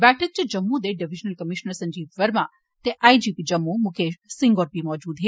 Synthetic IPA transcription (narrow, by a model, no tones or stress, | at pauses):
bɛʈʰək̚t͡ʃed͡ʒəmːud̪eɖiʋid͡ʒnəlkəmiʃnəɾsə̃ɲd͡ʒiːbʋəɾmã | t̪eʔajd͡ʒipid͡ʒəmːumukʰeʃsɪŋɡoɾpimɔːd͡ʒuːd̪ɦe